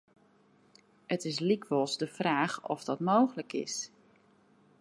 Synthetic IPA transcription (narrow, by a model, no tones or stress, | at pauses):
ətɪs̬likʋɔlˠzdəfraːχɔ̰fdɔtmowxləkɪ̰s